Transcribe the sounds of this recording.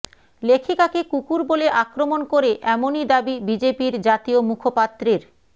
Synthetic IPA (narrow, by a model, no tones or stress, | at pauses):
lekʰikakekukuɾboleʔakɾomonkoɾeʔɛmonid̪abibid͡ʑepiɾd͡ʑat̪iomukʰopat̪ːɾeɾ